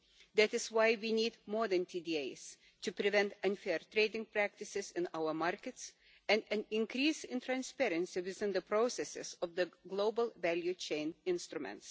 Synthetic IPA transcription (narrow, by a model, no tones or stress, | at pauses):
ðætɨzwaɪwiniːdmɔðɨ̃ntʰidieɪz̥ | tɨpɾɨvɛ̃ntə̃nfɛɹt̪ɹeɪdɪ̃ŋpɹæk̚tɨsɪzɨ̃naʊə˞maɹkɨts | ɨ̃nɨ̃nɪ̃nkɾiːsɪ̃ntʰɹæ̃nspɛɾɨ̃nsiwɪzɪ̃nðəpɾosɛsɪ̰zɔvðəɡloʊbəlˠvælˠjut͡ʃẽɪ̃nɪ̃nst̪ɾumɛ̰̃nts